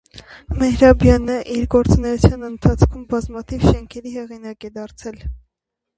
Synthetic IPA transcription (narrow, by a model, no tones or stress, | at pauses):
mɛhɾɑbjɑnəʔiɾɡɔɾt͡sunɛjut͡sʰjɑnənt̪ʰɑt͡sʰkʰumbɑzmɑt̪ʰivʃɛŋkʰɛɾihɛʁinɑkɛd̪ɑɾt͡sʰɛl